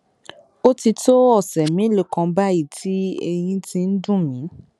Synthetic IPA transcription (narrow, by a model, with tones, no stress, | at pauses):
o˦ti˧to˦ɔ˦˨sɛ˨mĩ˨˦le˦˨kã˧ba˦i˦˨tʰi˦e˧j̃ĩ˧tĩ˧n̩˦dũ˦mĩ˨˦